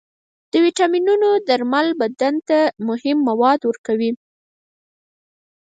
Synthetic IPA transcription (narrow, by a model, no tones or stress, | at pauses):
d̪̥əwiʈɑminunod̪aɾmalbad̪ant̪amʊhɪmːawɑd̪wəɾkawi